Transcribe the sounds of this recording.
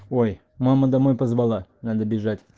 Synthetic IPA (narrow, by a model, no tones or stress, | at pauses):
oj | maməd̪amojpazbalˠanad̪əbʲɪʐatʲ